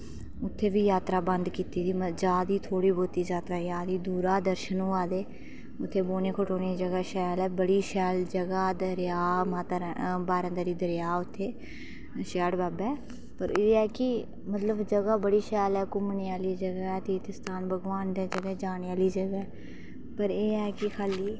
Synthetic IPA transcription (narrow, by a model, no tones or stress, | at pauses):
ʊt̪ʰːeːʋiːjaːt̪ɾaːbənd̪kiːt̪iːd̪iːməd͡ʒaːd̪iːt̪ʰoːɽiːboːt̪iːd͡ʒaːt̪ɾaːjaːd̪iːd̪uːɾaːd̪əɾʃənũːaːd̪eː | ʊt̪ʰːeːboːneːkʰəʈoːniːd͡ʒəɡaːʃɛːlɛːbəɽiːʃɛːld͡ʒəɡaːd̪əɾjaːmaːt̪aɾbaːɾə̃ːd̪aːɾiːd̪əɾjaːʊt̪ʰːeː | ʃɛːɽbaːbɛː | pəɾeːɛːkɪ | mət̪ləbd͡ʒəɡaːbəɽiːʃɛːlɛːkʊmniːaːliːd͡ʒəɡɛːt̪iːt̪ɪst̪aːnbəɡʋaːnd̪eːd͡ʒəɡɛːd͡ʒaːnːjaːliːd͡ʒəɡɛː | pəɾeːɛːkɪkʰaːliː